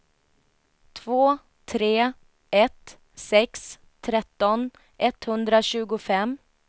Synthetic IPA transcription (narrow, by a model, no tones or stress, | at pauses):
t̪ʰvoː | t̪ʰɾeː | ɛt̪ | sɛks | t̪ʰːɾɛt̪ːɔn | ʔɛt̪hɵnd̪ɾaɕʉ̟ːɡʊfɛm